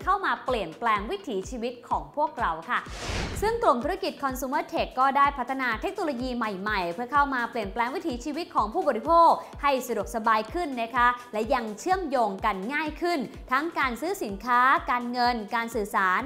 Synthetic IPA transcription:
kʰa˥˩wmaː˧pli˨˩ənplɛː˧ŋwi˦˥t̪ʰiː˩˦t͡ɕʰiː˧wi˦˥t̪̚kʰɔː˩˦ŋpʰu˥˩ək̚ɾa˧wkʰa˥˩sɯ˥˩ŋklu˨˩mt̪ʰu˦˥ɾa˥ki˨˩t̪̚kʰɔ˧nsu˧mɤː˥˩t̪ʰe˨˩kːɔː˥˩daː˥˩jpʰa˦˥t̪ʰːa˧naː˧t̪ʰe˦˥k̚noː˧loː˧jiː˧ma˨˩jma˨˩jpʰɯ˥˩əkʰa˥˩wmaː˧pli˨˩ənplɛː˧ŋwi˦˥t̪ʰiː˩˦t͡ɕʰiː˧wi˦˥t̪̚kʰɔː˩˦ŋpʰuː˥˩bɔː˨ɾi˦˥pʰoː˥˩k̚ha˥˩jsa˧du˨˩k̚sa˧baː˧jkʰɯ˥˩nːa˦˥kʰa˦˥lɛ˦˥ja˧ŋt͡ɕʰɯ˥˩əmjoː˧ŋka˧nŋaː˥˩jkʰɯ˥˩n | t̪ʰa˦˥ŋkaː˧nsɯː˦˥si˩˦nkʰaː˦˥kaː˧nŋɤ˧nkaː˧nsɯː˨˩saː˩˦n

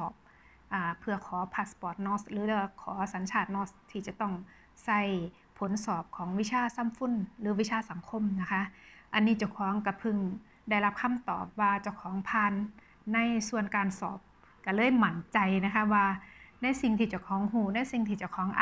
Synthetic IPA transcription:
ɔː˨˩p̚ | ʔaː˨˩pʰːɯ˧˩ɐkʰɔː˩˦pʰa˧˩spɔː˨˩t̪̚nɔː˧˥slɯː˨˦lkʰɔː˩˦sa˨˦nt͡ɕʰaː˧˩t̪̚nɔː˧˥st̪ʰiː˧˩t͡ɕa˨˧˩t̪ɔ˧˩ŋ | sa˧˩˨j | pʰo˨˦nsɔː˨˩p̚kʰɔː˩˦ŋwi˧˥t͡ɕʰaː˧˩sa˧˥˨mfu˧˥˨nlɯː˨˦wi˧˥t͡ɕʰaː˧˥˨sa˨˩˦ŋkʰo˧˨mna˧kʰa˧˥ʔʔa˧nːiː˧˩t͡ɕa˧˩wkʰɔː˨˦ŋka˧˩pʰɯ˧˩ŋ | da˧˩jla˦˥p̚kʰa˧˥˨mt̪ɔ̰ː˨˩p̚waː˧t͡ɕa˨˧˩wkʰɔː˨˦ŋpʰaː˧˨nː | a˧˥˨jsu˧˩ənkaː˨nsɔ̰ː˨˩p̚ | ka˧˩lɤː˧˥˨jma˧˩nt͡ɕa˨˧jna˧kʰa˧˥waː˧na˧˥˨jsi˧ŋt̪ʰiː˧˩t͡ɕa˧˩wkʰɔː˨˦ŋɦuː˧˩na˧˥˨jsi˧˩ŋt̪ʰiː˧t͡ɕa˧˩wkʰɔː˨˦ŋʔa˧

